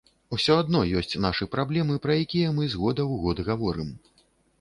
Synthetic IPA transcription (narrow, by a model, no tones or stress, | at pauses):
usʲɔad̪nɔjɔsʲt͡sʲnaʂɨpɾablʲɛmɨpɾɐjakʲijɐmɨzɣɔd̪ɐwɣɔd̪ɣavɔɾɨm